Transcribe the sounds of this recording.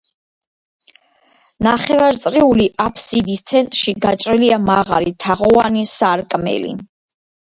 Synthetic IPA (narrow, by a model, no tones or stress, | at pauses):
naχɛvaɾt̪sʼɾiuliʔapʰsid̪ist̪sʰɛnt̪ʼɾʃiɡat͡ʃʼɾiliamaʁa̰ɾit̪ʰaʁɔanisaɾkʼmɛ̰lḭ